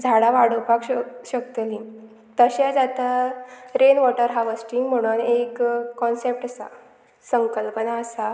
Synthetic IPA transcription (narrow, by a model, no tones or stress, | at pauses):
d͡zʱaɽaʋaɽ̤əpakɕək̚t̪əlĩ | t̪əɕad͡zat̪aɾenʋɔʈəɾɦaʋəsʈiŋɡm̤əɽ̃uːnekːɔnsep̚ʈəsa̰ | səŋkəlpənaəsa